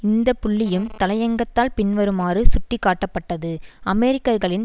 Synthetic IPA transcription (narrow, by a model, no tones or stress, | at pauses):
ɪnd̪ɐpːʊɭːɪjɯmt̪ɐlɐjɐŋɡɐt̪ːaːlpɪnʋɐɾɯmaːrɯsʊʈːɪkːaːʈːɐpːɐʈːɐðɯɐmɛːɾɪkːɐɾɣɐɭɪn